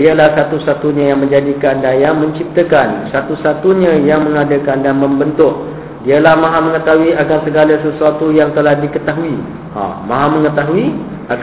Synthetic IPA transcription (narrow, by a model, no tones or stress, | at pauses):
iəlahsat̪usat̪uɲãjaŋmə̃ɲd͡ʒadikandajamə̃ɲt͡ʃip̚t̪əkansat̪usat̪uɲãjaŋmə̃ŋadəkandanmə̃mbənt̪ʊk̚ | diəlahmãɦamə̃ŋət̪aɦuiʔakansəɡalasəsuat̪ujaŋt̪əlahdikət̪aɦui | ã̰mãɦamə̃ŋət̪aɦui | a